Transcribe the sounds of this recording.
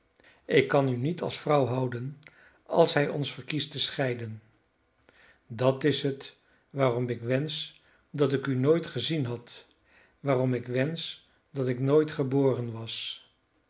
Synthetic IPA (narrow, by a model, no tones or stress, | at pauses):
ɪkːɑnynitʰɑ̰lˠsfrʌwɦʌwdən | ɑ̰lˠsɦɛjɔnsfəɹkistəsχɛjdən | dɑtɪsɦət | ʋaːrɔmɪkʋɛns | dɑtɪkynojtχəzinɦɑt | ʋaːrɔmɪkʋɛns | dɑtɪknojtχəboːrənʋɑs